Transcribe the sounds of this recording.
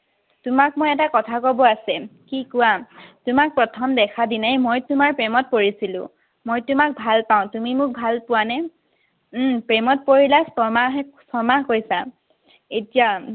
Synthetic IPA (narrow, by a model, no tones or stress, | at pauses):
tʊmak̚mojɛtakɔtʰakobɔasɛkikʊwatʊmak̚pɹɔtʰɔmdɛkʰadinajmojtʊmaɹpɹɛmɔt̚poɹisilʊ̰̃ | mojtʊmak̚bʱalpaʊ̃tumimʊk̚bʱalpʊwanɛ | pɹɛmɔt̚poɹilasɔmaɦɛsɔmaɦkojsa | etija